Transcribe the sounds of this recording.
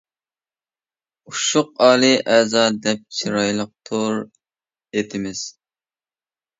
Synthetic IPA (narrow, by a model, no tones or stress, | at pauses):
uʃʊq̚ɑːlˠɨʔɛzɑd̪ɛp̚t͡ʃʰiɾɑjlˠəq̚t̪ʰoɾ | et̪ʰɪmɪz̥